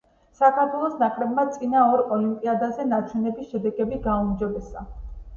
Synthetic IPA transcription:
sakʰaɾt̪ʰwɛlˠɔsnaχɾɛbmat̪sʼinaɔɾɔlimpʼiad̪azɛnat͡ʃʰwɛnɛbisʃɛd̪ɛɡɛbiɡaumd͡ʒɔbɛsa̰

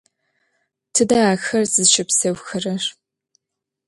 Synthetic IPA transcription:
tʰɨdaaːxɐrzɨzʃɪpsɐwxɐrɐr

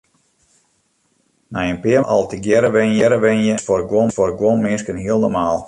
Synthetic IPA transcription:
najənpɪəʔɑ̰lˠtiɡjɛɾəʋɪnjɛɾəʋɪnjəfɔrɡwɔnfɔrɡwɔnmɪskənɦiəlˠnɔmaːlˠ

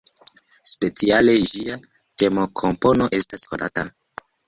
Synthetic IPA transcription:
spe̞t͡siale̞d͡ʒia | te̞mo̞kʰo̞mpo̞no̞ʔe̞staskonʔa̰ta

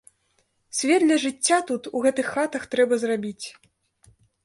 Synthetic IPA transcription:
sʲvʲɛt̪lʲɐʐɨt͡sʲːat̪ut̪uɣɛt̪ɨxːat̪ɐxt̪ɾɛbɐzrabʲit͡sʲ

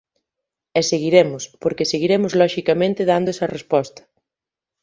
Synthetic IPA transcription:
ɛseɣiɾemʊspoɾkeseɣiɾemʊzlɔʃikamẽnt̪ɪðand̪ʊɛsɐrespɔst̪ɐ̥

